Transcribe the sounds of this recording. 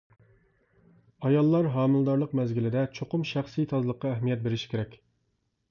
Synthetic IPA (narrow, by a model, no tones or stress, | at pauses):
ɑjɑlˠːɑɾɦɑːmɪlˠɨd̪ɑɾlˠəqmɛzɡʲilɪd̪ɛt͡ʃʰoqʊmʃæχsijt̪ʰɑzlˠəqːɑæɦmijɛt̪̚beɾɪʃi̥kʲeɾɛkʲ